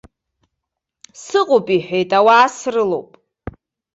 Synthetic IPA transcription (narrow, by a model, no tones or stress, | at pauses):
sɨqʼopʼiħʷᶣejtʼawaːsrɨlo̰wpʼ